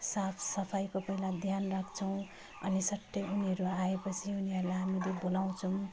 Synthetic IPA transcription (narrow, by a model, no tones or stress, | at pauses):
sapʰsʌpʰajkopʌilad̪ʱjanrakʰt͡sʰʌw̃ | ʌ̰nisʌʈːʌuniɦʌɾuaepʌt͡sʰiuniɦʌɾulajɦamilebolaw̃t͡sʰʌw̃